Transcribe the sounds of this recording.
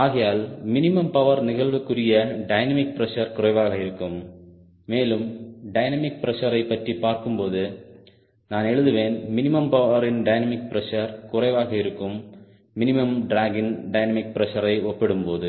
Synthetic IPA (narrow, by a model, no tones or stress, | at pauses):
aːɣɐjaːlmɪnɪmɐmpɐʋɐɾnɪɣɐɭʋɯkːɯrɪjɐɖɐɪnɐmɪk̚pɪɾɛʂɐɾkʊrɐɪʋaːɣɐɪɾɯkːɯmː | eːlɯmɖɐɪnɐmɪk̚pɪɾɐʂɐɾɐɪpːɐʈripaːɾkɯmpoːðɯ | naːnɛɻɯðɯʋeːnmɪnɪmɐmpɐʋɐɾɪnɖɐɪnɐmɪk̚pɪɾɛʂɐɾkʊrɐɪʋaːɣɐɪɾɯkːɯmː | ɪnɪmɐmɖɾaːɡɪnɖɐɪnɐmɪk̚pɪɾɛʂɐɾɐɪɔpːɛɽɯmpoːðɯ